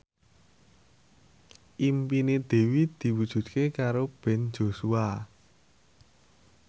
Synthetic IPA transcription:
ʔimpined̪̥e̤wid̪̥i̤wud̥ʒ̥ṳd̪̚kekaɾob̥ɛ̤nd͡ʒo̤sua

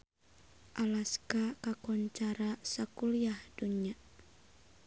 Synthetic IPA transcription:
ʔalaskakakɔɲt͡ʃaɾasakulijahduɲia

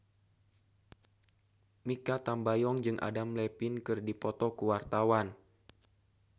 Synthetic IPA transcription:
mikat̪ambajɔŋd͡ʒɨŋʔa̰damlɛpinkɨrdipɔt̪ɔkuwart̪awan

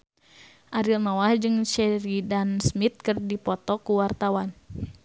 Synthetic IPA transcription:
ʔaɾilnɔwahd͡ʒɨŋt͡ʃɛɾidansmit̪̚kɨrdipɔt̪ɔkuwart̪awan

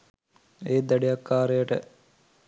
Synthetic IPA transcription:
eːd̪ɐɖijɐkːaːɾejəʈə̰

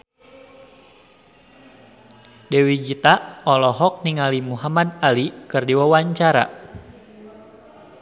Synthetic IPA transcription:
dewid͡ʒit̪aɔlɔɦɔk̚niŋalimuɦamad̪alikɨrdiwawaɲt͡ʃaɾa̰

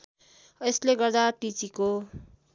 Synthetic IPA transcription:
esleɡʌrd̪aʈit͡siko

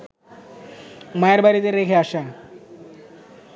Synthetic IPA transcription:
majaɾbaɾit̪eɾekʰeaʃa

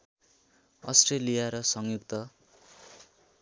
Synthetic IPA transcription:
ʌ̰sʈrelijaɾʌsʌŋjukt̪ʌ

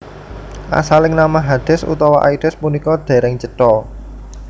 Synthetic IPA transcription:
ʔa̰salɪŋnamaɦad̪̥ɪ̤sṵt̪ɔwɔʔa̰id̪ɪspunikɔd̪̥e̤ɾɪŋt͡ʃəʈɔ

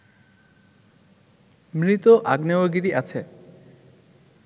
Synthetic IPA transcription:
mɾit̪oʔaɡneoɡiɾiʔat͡ɕʰe

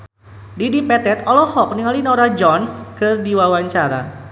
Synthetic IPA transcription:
didipɛt̪ɛt̪ɔlɔhɔk̚niŋalinoɾad͡ʒɔnskɨrdiwawaɲt͡ʃaɾa̰

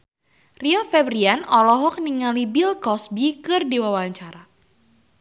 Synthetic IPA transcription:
riɔfɛbɾianɔlɔɦɔk̚niŋalibilkɔsbikɨrdiwawaɲt͡ʃaɾa

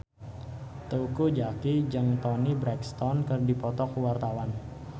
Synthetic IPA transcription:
t̪ukud͡ʒakid͡ʒaŋt̪ɔnibɾɛkst̪ɔnkərdipɔt̪ɔkuwart̪awan

